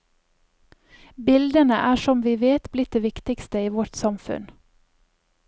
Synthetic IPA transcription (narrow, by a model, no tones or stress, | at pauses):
bɪld̪ənəʔæːʃɔmʋiːʋeːt̪blɪt̪̚d̪eːʋɪkt̪ɪkst̪əiːʋɔʈsɑmfʉ̰n